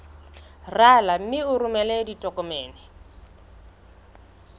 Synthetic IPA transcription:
ralam̩mɪʊrumɛlɛditʼɔkʼɔmɛːnɪ

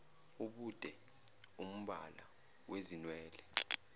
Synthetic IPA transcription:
uɓud̥ʱɛ | um̩ɓa̰la | wezinwɛːlɛ

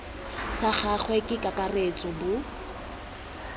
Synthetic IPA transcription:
saχaχʰwɛkʼɪkʼakʼaret͡sʼɔbʊ

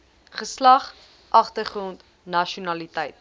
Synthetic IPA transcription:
χəslɐχ | ʔɐχtərχrɔnt | nɐʃunɐlitɛjt̚

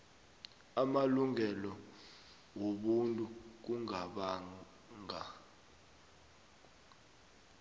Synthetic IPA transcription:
amaluŋɛlɔ | woɓuntʼuk̬uŋaɓaŋ | ŋa

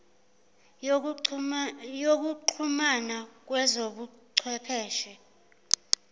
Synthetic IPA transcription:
jok̬uǃʰumanak̬wɛzoɓuǀʰɛpʰɛːʃɛ

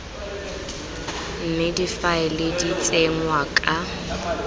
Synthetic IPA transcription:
m̩mɪdifaɪlɪdit͡sʼeŋwakʼa

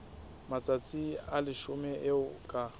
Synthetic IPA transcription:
mat͡sʼat͡sʼialɪʃʊmɛʔɪʊkʼa

